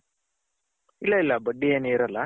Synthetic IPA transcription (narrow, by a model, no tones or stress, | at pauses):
ilːɐilːɐbɐɖːieːneːɾɐla